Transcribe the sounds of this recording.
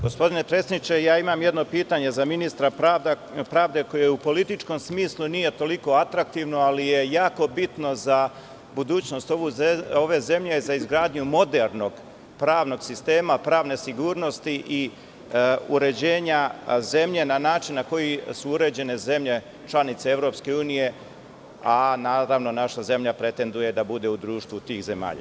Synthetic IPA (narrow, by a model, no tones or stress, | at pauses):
ɡospo̞d̪ine̞t̪ɾe̞snit͡ɕe̞jaːimamjed̪no̞piːt̪aɲe̞zaminist̪ɾaad̪ | pɾaːʋd̪e̞ko̞jeupo̞lit̪it͡ʃko̞msmiːslˠunije̞t̪o̞liko̞at̪ɾak̚t̪iʋno̞alije̞jaːko̞bit̪no̞za | bud̪uːt͡ɕno̞st̪oʋuo̞ʋe̞ze̞mʎezaizɡɾaːd̪ɲumo̞d̪e̞ɾno̞ɡ̥ | pɾaːʋno̞ɡsist̪e̞ːmapɾaːʋne̞siɡuːɾno̞st̪iʔi | uɾe̞d͡ʑe̞ːɲaze̞mʎe̞nanaːt͡ʃinːako̞jisuuɾe̞d͡ʑe̞ne̞ze̞mʎe̞ | t͡ʃlˠanit̪see̞ʋɾo̞pske̞uːnije̞ | anaːɾaʋno̞naʃaze̞mʎapɾe̞t̪e̞nd̪uje̞d̪abud̪e̞ud̪ɾuːʃt̪ʋut̪iːxze̞ma̰ːʎa̰